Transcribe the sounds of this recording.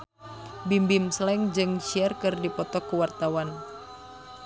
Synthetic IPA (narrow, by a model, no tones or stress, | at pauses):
bimbimslɛŋd͡ʒɨŋʃiɛrkɨrdipɔt̪ɔkuwart̪awan